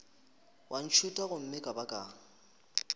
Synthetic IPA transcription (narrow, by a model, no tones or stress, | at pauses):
wʔan̩t͡ʃʰutʼaɣʊm̩mɪkʼabakʼaː